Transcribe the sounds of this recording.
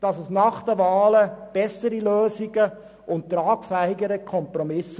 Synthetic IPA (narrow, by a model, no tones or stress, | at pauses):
d̥ɑsəsnɑχd̥əvɑːləb̥ɛsəɾiløːsiɡə | ʔʊnttrɑːkfæhɪɡəɾəkʰɔmpɾɔmɪs